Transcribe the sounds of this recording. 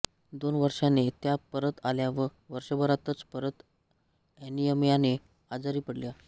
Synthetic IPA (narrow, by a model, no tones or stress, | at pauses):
d̪onʋəɾʂanet̪japəɾət̪aljaʋə | ʋəɾʂəbəɾat̪ət͡spəɾət̪ | ɛnijəmjane | ad͡zaɾiːpəɽlja